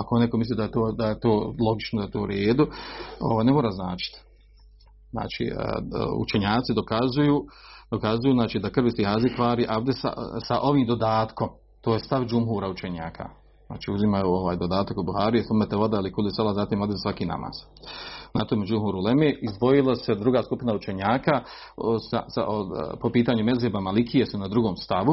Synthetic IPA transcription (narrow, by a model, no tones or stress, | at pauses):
akonekomisliːd̪ajet̪oːd̪ajet̪oːlˠo̞ɡit͡ʃnod̪ajet̪oːuɾeːd̪uo̰ʋaːjne̞moːɾaznaːt͡ʃi̥t̪ | zna̰ːt͡ʃḭːṵt͡ʃeɲaːt̪sid̪okazujuːd̪okazujuːznaːt͡ʃiːd̪akrʋisihazikʋaːɾiʔaʋd̪esa̰saʔo̞ʋiːmd̪o̞d̪aːt̪ko̞m | t̪oːjest̪aʋd͡ʒumɦuːɾaut͡ʃeɲaːkʰa̰ | za̰ːt͡ʃiːuzimajuoʋaːjd̪o̞d̪aːt̪akobuhaːɾijesumet̪eʋod̪ailikulisalˠazaːt̪iːmod̪esʋakiːna̰ma̰ːz̥ | nat̪omed͡ʒumɦuɾulemeːizd̪ʋo̞jilˠase̞d̪ɾuɡaːskupinaut͡ʃe̞ɲaːka | sa̰sa̰opo̞piːt̪aːɲume̞zeːbamalikʰijesunad̪ɾuɡo̞ːmst̪aʋu